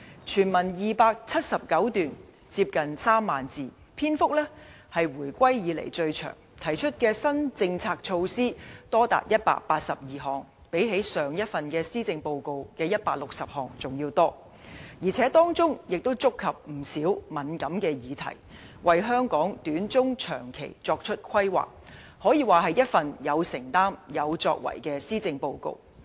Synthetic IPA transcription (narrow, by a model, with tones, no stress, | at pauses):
t͡ʃʰyː˨˩nmɐ˨˩njiː˨˩paː˧k̚t͡sʰɐ˥t̚sɐ˨p̚kɐ˨˥wt̪yː˨n | t͡siː˧p̚kɐ˨nsaː˥mːaː˨˩nt͡siː˨ | pʰiː˥nfʊ˥k̚lɛː˥ | hɐ˨jwuː˨˩jkʷwɐ˥jjiː˨˧lḛ˨˩jt͡sɵ˧ɥt͡ʃʰœ̰ː˨˩ŋt̪ʰɐ˨˩jt͡ʃʰɵ˥t̚kɛː˧sɐ˥nt͡sɪ˧ŋt͡sʰaː˧k̚t͡ʃʰo˧wsiː˥t̪ɔː˥t̪a̰ː˨t̚jɐ˥t̚pa̰ː˧˨k̚paː˧t̚sɐ˨p̚jiː˨˩ɦɔː˨ŋ | pe˨˥jɦe˨˥jsœː˨ŋjɐ˥t̚fɐ˨nkɛː˧siː˥t͡sɪ˧ŋpo˧wko˨˧wkɛː˧jɐ˥t̚paː˧k̚lʊ˨k̚sɐ˨p̚hɔː˨˩ŋt͡sʊ˨ŋjiː˧wt̪ɔː˥ | jiː˨˩t͡sʰɛː˨˥t̪ɔː˥ŋt͡sʊ˥ŋjɪ˨k̚t̪o˥wt͡sʊ˥kʰːɐ˨p̚m̩˨˩siː˨˥wmɐ˨˥nkɐ˨˥mkɛː˧jiː˨˧t̪ʰɐ̰˨˩j | wʔɐ˨jɦœː˥ŋkɔː˨˥ŋt̪yː˨˥nt͡sʊ˥ŋt͡ʃʰœ̰ː˨˩ŋkʰe˨˩jt͡sɔː˧k̚t͡ʃʰɵ˥t̚kʰɐ˥jwa̰ː˨˩k̚ | hɔː˨˥jiː˨˧waː˨ɦɐ˨jɐ˥t̚fɐ˨njɐ˨˧wsɪ˨˩ŋt̪aː˥mjɐ˨˧wt͡sɔ̰ː˧k̚wɐ̰˨˩jkɛː˧siː˥t͡sɪ˧ŋpo˧wko̰˧w